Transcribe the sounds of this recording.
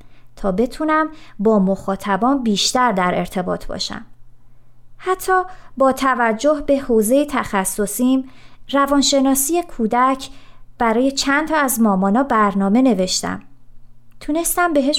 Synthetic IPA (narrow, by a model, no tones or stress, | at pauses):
t̪ʰɒːbe̞t̪ʰunæmbɒːmo̞xɒːt̪ʰæbɒːnbiːʃt̪æɾd̪æɾe̞ɾt̪ʰe̞bɒ̰ːt̪ʰbɒ̰ʃæ̰m | hæt̪ʰːɒːbɒːt̪ʰævæd͡ʒːo̞hbe̞hoːze̞jet̪ʰæxæsːo̞simɾævɒːnʃe̞nɒːsiːjekʰuːd̪æcʰb̥æɾɒːje̞t͡ʃʰænt̪ʰɒːæzmɒːmɒːnɒːbæɾnɒːme̞ne̞ve̞ʃt̪æ̰m | t̪ʰune̞st̪æmbe̞ɦeʃ